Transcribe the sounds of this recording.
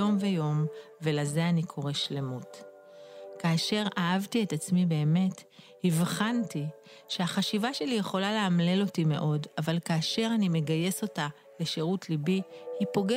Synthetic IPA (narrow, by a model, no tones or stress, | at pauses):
o̞mve̞jo̞m | ve̞laze̞anikʰo̞ʁe̞ʃle̞mut | kaːʃe̞ʁaavtie̞tat͡smibe̞ːme̞thivχanti | ʃe̞aχaʃivaʃe̞lije̞χo̞lale̞amle̞lo̞time̞̰ʔo̞davalkaːʃe̞ʁanime̞ɡaje̞so̞ta | leʃe̞ʁutlibihipo̞ɡe